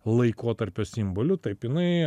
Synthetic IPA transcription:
lˠɐɪkoːt̪ɐɾʲpʲoːsʲɪmboːlʲʊt̪ɐɪpjɪnɐɪ

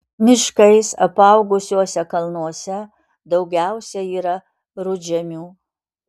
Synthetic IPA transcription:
mʲɪʃkɐɪsɐpɐʊɡʊsʲuɔsʲɛkɐlˠnuɔsʲɛ | d̪ɒʊɡʲæʊsʲɛiːɾɐ | ɾʊd͡ʒʲɛmʲuː

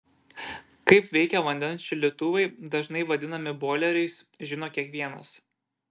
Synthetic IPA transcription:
kɐɪpʋʲɛɪkʲɛʋɐnʲd̪ʲɛnʲt͡ʃʲɪlʲɪt̪ʊʋʲɐɪd̪ɐʒnɐɪʋɐd̪ʲɪnɐmʲɪboːlʲɛɾʲɛɪsʒʲɪnoːkʲiɛkʋʲiɛnɐ̰s

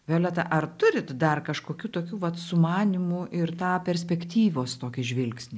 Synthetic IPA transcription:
ʋʲeːlʲˠɐt̪ɐʔɐrt̪ʊɾʲɪt̪d̪ɐrkɐʃkoːkʲuːt̪oːkʲuːʋɐt̪sʊmɑːnʲimʊʔɪrt̪ɑːpʲɛɾʲsʲpʲɛkt̪ʲiːʋʲoːst̪oːkʲɪʒʲʋʲɪlʲksʲnʲɪ

